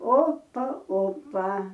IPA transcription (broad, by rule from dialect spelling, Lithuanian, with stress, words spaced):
ˈoːpɐ ˈoːpɐ